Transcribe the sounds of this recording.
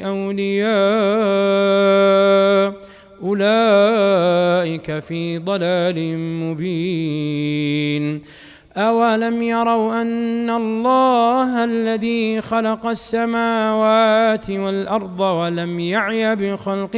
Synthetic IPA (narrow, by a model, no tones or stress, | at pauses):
ʔawlɪjaː | ʔʊlaː | ʔɪkafiːd̪ˤɑlaːlɪmʊbiː | n | ʔawalamjɑɾˤɑwʔanːalˤːɑːɦʔalːaðiːxɑlɑqɑsːamaːwaːt̪ɪwalʔɑɾˤd̪ˤɑwalamjaʕjabɪxɑlq